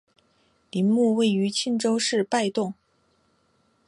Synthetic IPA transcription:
li˧˥nmu˥˧we˥˩ɪy˧˥t͡ɕʰi˥˧nʈ͡ʂo˥ʊʂɻ̩˥˧pa˥˧ɪt̪ʊ˥˩ŋ

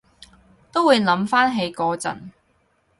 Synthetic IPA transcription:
t̪o˥wuː˨˧jlɐ˨˥mfaː˥nɦe˨˧jkɔː˨˧t͡sɐ̰˨˩n

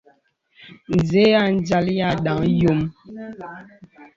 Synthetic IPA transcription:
n̩˨ze˨˦a˦˨n̩˦d͡ʒa˦lja˦˨ɗa˨˦jo˦˨m

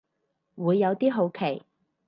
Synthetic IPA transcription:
wuː˨˧jːɐ˨˧wt̪iː˥ɦo˨˧wkʰe˨˩j

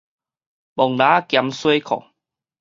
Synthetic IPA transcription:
bɔ˨˩ŋlãː˨˦kja˧mswe˦kʰɔ̰˨˩˨

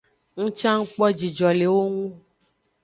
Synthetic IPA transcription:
ŋũ˦t͡ʃã˦ŋ̩˦k͡pɔ˦d͡ʒi˨d͡ʒɔ˨le˨wo˦ŋũ˦

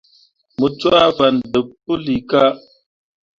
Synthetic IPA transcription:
mə˨t͡swa˦va˨ndə˨pːə˦li˨ka˦

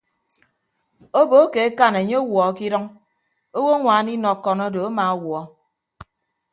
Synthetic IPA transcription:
o˦bo˨˦ke˨e˦ka˦ne˨ɲe˦o˦wɔ˨˦ki˦ɾɔ˦ŋ | o˦wo˦ŋʷaː˨˦ni˦nɔ˨kːɔ˨nɔ˦do˨a˦ma˨˦wɔ˨˦

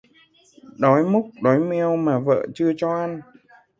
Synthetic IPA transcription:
ɗɔ˨˦jmʊ˦˥k͡p̚ɗɔ˨˦jmɛ˧əwmaː˨˩və̰ː˧˨t͡ɕɨ˧ət͡ɕɔ˧ʔa˧n

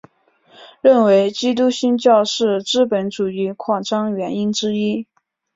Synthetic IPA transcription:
ɻə˥˩nwe˧˥ɪt͡ɕi˥t̪̬u˥ɕi˥nt͡ɕjɑ˥˧ʊʂɻ̩˥˩ʈ͡ʂɻ̩˥˩pə˧˥nʈ͡ʂu˨˩y˧˥kʰwɑ˥˩ŋʈ͡ʂɑ˥ŋɥɛ˧˥ni˥nʈ͡ʂɻ̩˥i˥

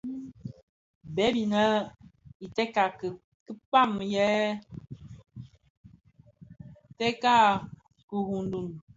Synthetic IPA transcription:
bɛ˦bi˨nə˦i˨tɛ˦ka˨ | kə˦pa˦˨mjɛ˦ | tɛ˦ka˦ | ku˨hu˨ndu˨n

